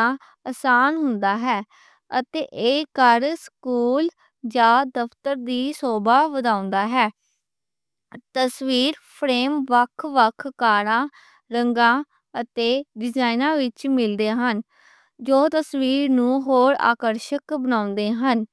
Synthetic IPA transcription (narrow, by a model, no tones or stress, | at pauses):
əsaːnɦʊnd̪aːɦɛː | ət̪eːʔeːkəɾskuːl | d͡ʒãːd̪əpt̪əɾd̪iːsoːbaːʋəd̪ãːʊ̃nd̪aːɦɛː | t̪əsʋiːɾpʰɾeːmʋəkʰʋəkʰkaːɾãː | ɾəŋɡãː | ət̪eːɖɪd͡ʒaːinãːʋɪt͡ʃmɪld̪eːɦən | d͡ʒoːt̪əsʋiːɾnũːɦoːɾa̰ːkəɾʃəkbənãːʊ̃nd̪eːɦən